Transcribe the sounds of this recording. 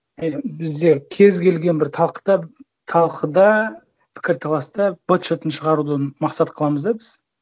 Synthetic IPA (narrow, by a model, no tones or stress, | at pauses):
bɪzd̪e̞kʲʰe̞zkʲʰe̞lɡʲe̞nbɪɾt̪ʰɑlˠqəd̪̥ɑ | t̪ʰɑlˠqʰəd̪ɑ | pʰɪ̥kʲɪɾt̪ʰɑlˠɑst̪ɑbot̪ʃet̪ənʃəʁɑɾud̪ənmɑqsɑt̪qʰəlˠɑməzd̪ɑbɪz̥